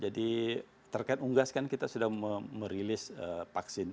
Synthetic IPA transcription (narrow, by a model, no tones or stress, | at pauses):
d͡ʒadi | t̪ərkaɪt̪̚uŋɡaskankit̪asudahməməɾilɪsəpaksɪn